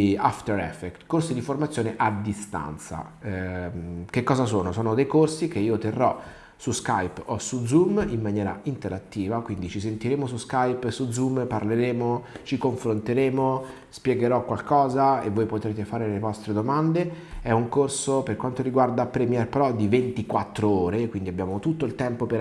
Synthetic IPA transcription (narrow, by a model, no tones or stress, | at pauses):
a̰ft̪eɾɛ̰fːɛkt̪korsid̪iformat̪sːjoːneʔad̪ːist̪a̰nt̪sa̰ | kekːɔːzasoːnosoːnod̪ejkorsikeiːot̪erːɔ | suskajposud̪zumimːanjɛːɾa̰int̪eɾat̪ːiːvakwind̪it͡ʃis̬ent̪iɾeːmosuskajpsud̪zumparleɾeːmot͡ʃikoɱfɾont̪eɾeːmo | spjɛɡeɾɔkwalkɔːzaḛvːoːjpot̪ɾeːt̪efaːɾellevɔst̪ɾed̪omand̪e | ɛuŋkorsoperkwant̪oɾiɡward̪apɾɛmjɛrpɾɔd̪ivent̪ikwat̪ːɾooːɾekwind̪iabːjaːmot̪ut̪ːoilt̪ɛmpope